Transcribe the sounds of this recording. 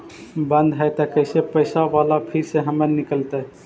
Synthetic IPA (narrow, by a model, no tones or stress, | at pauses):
bənd̪ɦəjt̪əkəɪsepəɪsaʋalapʰiɾseɦəməɾnikəlt̪ɛ